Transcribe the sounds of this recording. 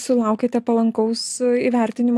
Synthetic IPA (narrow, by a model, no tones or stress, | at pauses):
sʊlˠɐˑʊkʲeːt̪ʲɛpɐlˠɐŋkɐʊsiʋʲɛɾʲt̪ʲɪnʲɪm